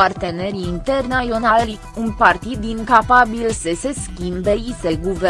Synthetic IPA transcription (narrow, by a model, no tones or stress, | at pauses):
art̪e̞ne̞ɾiːnt̪ernaional | unpart̪it̪̚ːiŋkapabilsəse̞skʲimbeise̞ɡuve